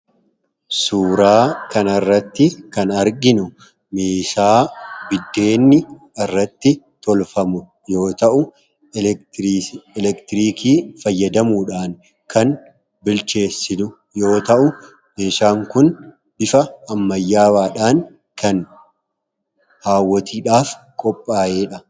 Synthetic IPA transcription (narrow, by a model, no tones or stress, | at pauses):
suːɾaːkɐnɐrːɐt̪ːɪkɐnɐɾɡɪnʊ | meːʃaːbɪd̪ːe̞ːnːɪ | ɪrːɐt̪ːɪ | t̪ɔlfɐmʊ | jo̞ːt̪ɐʔʊ | ɛlɛkt̪ɪɾiːkiːfɐjːɐd̪ɐmuːᶑaːn | kʰɐn | bɪlt͡ʃe̞ːsːɪnʊ | jo̞ːt̪ɐʔʊ | me̞ːʃaːŋkʊn | bɪfɐɐmːɐjːaːwaːᶑaːn | kʰɐn | haːwːɔt̪ʰiːᶑaːf | kʼɔpʼːaːjeːᶑɐ